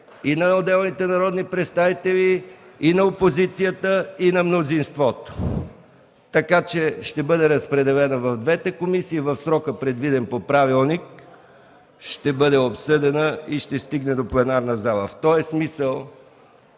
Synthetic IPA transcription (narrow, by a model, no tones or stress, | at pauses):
inɐod̪ɛlˠnit̪ɛnɐɾɔd̪nipɾɛt̪st̪avit̪ɛviːnɐopozit̪sijət̪əinɐmnozinst̪vɔt̪o̥ | t̪ɐkat͡ʃɛʃt̪ɛbɤd̪ɛɾəspɾɛd̪ɛlɛnəvɐvd̪vɛt̪ɛkomisiːvəfsɾɔkəpɾɛd̪vid̪ɛnpopɾavilˠnik̚ | ʃt̪ɛbɤd̪ɛopsɤd̪ɛnəiʃt̪ɛst̪iɡnɛd̪oplɛnaɾnəzalˠə̰ft̪ɔɛsmisəlˠ